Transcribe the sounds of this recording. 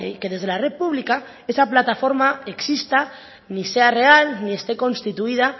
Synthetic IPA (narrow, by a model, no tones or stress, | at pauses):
ḛke̞ð̞e̞zð̞e̞laret̪̚puβlika | esaplat̪afo̞ɾmaeksist̪a | nise̞are̞alnie̞st̪eko̞nst̪it̪uið̞a